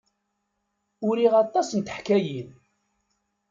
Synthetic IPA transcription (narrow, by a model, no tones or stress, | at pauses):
ʊɾiʁɑt̪ˤːɑsənt̪ə̥ħkæjin